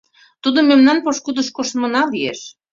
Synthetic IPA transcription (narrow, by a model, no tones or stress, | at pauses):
t̪ud̪omemnɑnpoʃkud̪əʃkoʃmɤ̆nɑlieʃ